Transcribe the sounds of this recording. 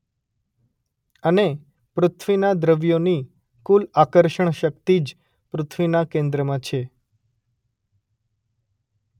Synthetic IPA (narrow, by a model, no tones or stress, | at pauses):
əne | pɾʊt̪ʰʋinad̪ɾəʋjoni | kulakəɾʃəɳ̃ʃək̚t̪id͡ʒ | pɾʊt̪ʰʋinakẽnd̪ɾəmãt͡ʃʰe